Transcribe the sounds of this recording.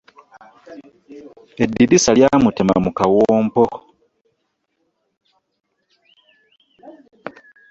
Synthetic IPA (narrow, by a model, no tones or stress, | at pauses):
e̞dːidisaljaːmutema̰mukawoːmpo